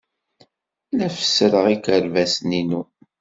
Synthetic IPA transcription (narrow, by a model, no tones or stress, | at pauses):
læfə̥sɾəʁikəɾvæsninu